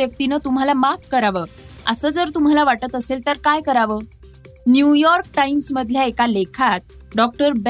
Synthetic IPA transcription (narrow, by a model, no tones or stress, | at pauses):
jək̚t̪inət̪um̤alamafkəɾaʋəːə̰səːd͡zəɾt̪um̤alaʋaʈət̪əselt̪əɾkajkəɾaʋəː | njujɔɾk̚ʈaimsməd̪ʱljaekalekʰat̪̚ɖɔk̚ʈəɾb